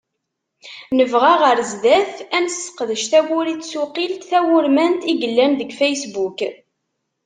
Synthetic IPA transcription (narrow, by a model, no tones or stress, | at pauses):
nəvʁaʁəɾzd̪æθænsə̥qðəʃθæwʊɾit͡sːsuqilt̪θæwʊɾmænt̪iɡəlːænðəɡfejsbuk